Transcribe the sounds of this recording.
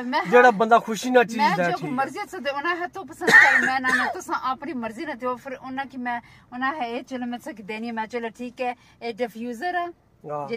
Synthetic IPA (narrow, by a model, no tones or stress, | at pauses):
mɛ̃ːd͡ʒeːɽaːbənd̪aːkʰʊʃiːnãːt͡ʃimːɛ̃oːməɾziːasãd̪eʊnãːɦɛːt̪õːpəsə̃nd̪kaɾemɛ̃ːnãːnãt̪ʊsãːʔaːpniːməɾziːnat̪ioːpʰɪɾʊnãːkimɛ̃ːʊnãːɦɛeːt͡ʃəleːmɛ̃ːt̪sãːk̬id̪eːniːɛ̃ːmɛ̃ːt͡ʃoːleːʈʰiːkɛː | eːɖəpʰjuːzəɾaː | d͡ʒe